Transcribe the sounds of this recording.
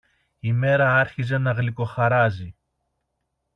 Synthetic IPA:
ime̞ɾɐɐɾçize̞nɐɣliko̞xɐɾɐzi

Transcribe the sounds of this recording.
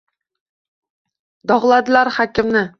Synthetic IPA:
d̪̥ɒʁlˠad̪ɪlaɾhɒkʲɪmnɪ

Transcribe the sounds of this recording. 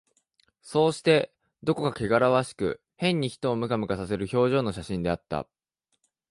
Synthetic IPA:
so̞ːɕi̥t̪e̞ | d̪o̞ko̞kake̞ɡaɾaβaɕi̥kɯ̟̰ | hẽ̞ɲ̟ːiçi̥t̪o̞ːmɯ̟kamɯ̟kasase̞ɾɯ̟ço̞ːʑo̞ːno̞ɕaɕĩnd̪e̞at̪ːa̰

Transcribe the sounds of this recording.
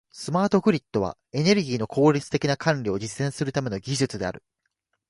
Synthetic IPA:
sɨmaːt̪o̞ɸɯ̟ɾʲit̪ːo̞βa̰ | e̞ne̞ɾɯ̟ɡʲiːno̞kʰo̞ːɾʲit͡sɨ̥t̪e̞kʲinakʰãnɾʲio̞ʑisːẽ̞ɰ̃sɨɾɯ̟t̪ame̞noɡʲiʑɨt͡sɨd̪e̞a̰ɾɯ̟

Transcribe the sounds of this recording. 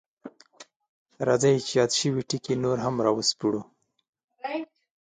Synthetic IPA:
ɾazajt͡ʃjɑd̪ʃəwiʈikinoɾɦamɾɑwəspuɽu

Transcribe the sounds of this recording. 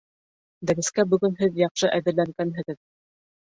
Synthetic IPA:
d̪æɾɘ̆skæbɵ̆ɡɵnɦɘðjɑqʃɤʔæðɘ̆ɾlæŋɡænɦɘ̆ɣɘð

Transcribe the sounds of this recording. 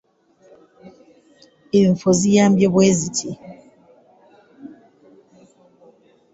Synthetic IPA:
eɱ̩fozijambjɔbwezitʰi

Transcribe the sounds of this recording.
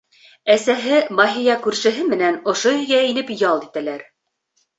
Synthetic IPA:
æsæɦɘmɑɦijɑkʉɾʃɘ̆ɦɘmɘ̆nænŏʃoɵ̆jɡæĭnɘpjɑlˠd̪it̪ælæɾ

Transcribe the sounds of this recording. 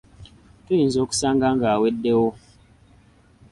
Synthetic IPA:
ton̩zoksaŋɡaŋɡawet̚dewo

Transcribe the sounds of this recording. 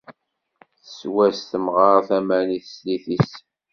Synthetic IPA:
θəswæst̪əmʁɑʁθæmæɾniθsliθis

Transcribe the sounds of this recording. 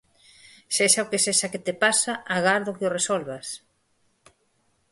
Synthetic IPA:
seʃaokeseʃaket̪epasaʔaɣaɾðʊkeoresɔlβas

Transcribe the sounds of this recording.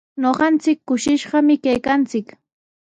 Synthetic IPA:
ɲoɢɑnt͡sɪkːʊʃɪʃɢɑmɪkajkant͡sɪk

